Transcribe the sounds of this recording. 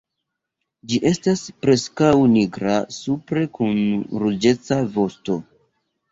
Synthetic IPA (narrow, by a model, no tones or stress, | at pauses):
d͡ʒiʔe̞staspɾe̞skawniɡɾasupɾe̞kunɾud͡ʒe̞t͡savo̞sto̞